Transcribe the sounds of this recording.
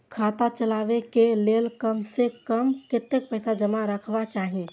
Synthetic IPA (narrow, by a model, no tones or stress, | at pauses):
kʰaːt̪at͡ʃəlaːʋekeleːlkəmsekəmkɪt̪ːek̚pəɪsad͡ʒəmaɾəkʰbat͡ʃaːɦi